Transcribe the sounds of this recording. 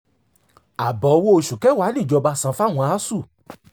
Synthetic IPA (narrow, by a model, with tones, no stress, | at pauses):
a˨bɔ˨˦˧wo˦o˧ʃu˨kɛ˨˦wa˨˦nĩ˦˨d͡ʒɔ˨˧ba˧sã˧fa˦˨w̃ɔ̃˧a˨˦su˦˨